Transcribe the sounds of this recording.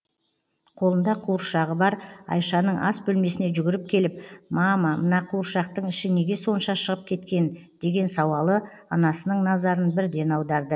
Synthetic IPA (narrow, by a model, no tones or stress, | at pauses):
qʰo̞lˠənd̪ɑqʰuɾʃɑʁəbɑɾɑ̰jʃɑnəɴɑsbɵlme̞sɪne̞ʒʏɡʲɪɾɪp̚kʲʰe̞lɪp̚mɑmɑmənɑqʰuɾʃɑq̚t̪əɴɪʃɪne̞ɡʲe̞so̞nʃɑʃəʁəp̚kʲʰe̞t̪kʲe̞n | d̪̥e̞ɡʲe̞nsɑwɑlˠə | ɑnɑsənəɴnɑzɑɾənbɪɾd̪e̞nɑwd̪ɑɾd̪ə